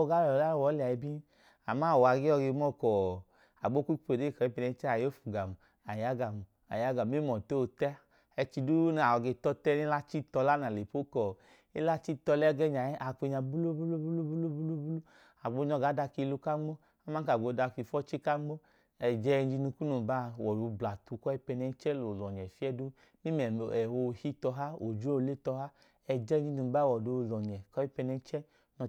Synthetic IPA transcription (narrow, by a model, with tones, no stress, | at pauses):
ɡa˨˦˨la˦˨wɔ˨˦li˨a˨i˧bi˦ | a˨ma˦˨wa˨ɡe˦ɔ˧ɡe˧m˦ɔ˦kɔ˨ | a̰˨ɡ͡bo˦kʷu˦k͡pe˨de˦˨kɔ˨i˦pi˧nɛ˧˦t͡ʃa˦a˨jo˦fu˨ɡa˨mu˨ | a˨ja˨˦ɡa˨mu˨ | a̰˨ja˨˦ɡa˨m˦e˦mɔ˨te˦o˧˨tɛ˦ | ɛ˧t͡ʃi˧du˦n˨a˨ɔ˧ɡe˧tɔ˧tɛ˦ni˦la˦t͡ʃi˦tɔ˧la˦na˨le˨po˦kɔ˨ | e˦la˦t͡ʃi˦tɔ˧lɛ˦ɡɛ˦ɲa˨˦a˨k͡pe˧ɲa˧bu˦lo˦bu˦lu˦bu˦lu˦bu˦lu˦bu˦lu˦bu˦lu˦ | a˨ɡ͡bo˧ɲɔ˧˨ɡa˨˦da˧ki˧lu˧ka˦ŋ͡mo˦ | a˦ma˦ka˨ɡ͡bo˨˧˨da˧ki˧˨fɔ˦t͡ʃi˦ka˦ŋ͡mo˦ | ɛ˨d͡ʒɛ˧n˦d͡ʒi˧nu˧ku˦nu˨ba˦wɔ˨do˧bla˨tu˧kɔ˦i˦pɛ˧nɛ˧n˦t͡ʃɛ˦lo˨lɔ˨ɲɛ˨fi˦ɛ˦du˦ | mi˦mɛ˨m˨ɛ˨wo˧˨hi˦tɔ˧ɦa˦o˨d͡ʒu˦˨˧le˦tɔ˧ɦa˦ | ɛ˨d͡ʒɛ˦˧˦d͡ʒi˧nu˨ba˦˨wɔ˨do˧˨lɔ˨ɲɛ˨kɔ˦i˦pɛ˧nɛ˧n˦t͡ʃɛ˦ | nɔ˧